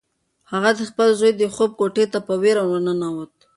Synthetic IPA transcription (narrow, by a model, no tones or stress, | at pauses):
haɣad̪əxpəlzojd̪əxob̚koʈet̪apəweɾamanənawət̪̚